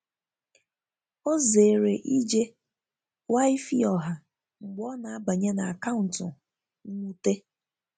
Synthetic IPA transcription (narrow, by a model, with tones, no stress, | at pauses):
o˦ze˨ɾe˨ʔi˦d͡ʒe˦ | wa˦i˦fi˦ɔ˨ɦa˨ | ŋ͡m̩˨ɡ͡bɔ˦na˨a˦ba˨ɲe˦na˨a˨ka˦ʊ˨n̩˨tʊ˨ | ŋ̩˦ŋʷu˦te˦